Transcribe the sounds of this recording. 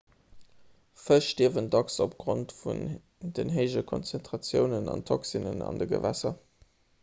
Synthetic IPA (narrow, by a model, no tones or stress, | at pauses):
fəʃtiəvəndɑksop̚ɡ̥ʁontfṵn | dənɦəɪʒɐkʰonsɛntʁ̥ɑt͡sjəʊnənɑ̰ntʰoksinə̰nɑ̰ndəɡə̰væ̰sɐ